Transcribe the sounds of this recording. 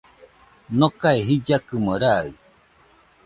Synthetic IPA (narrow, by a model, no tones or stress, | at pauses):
nokaeɦid͡ʒakɯməɾaɯ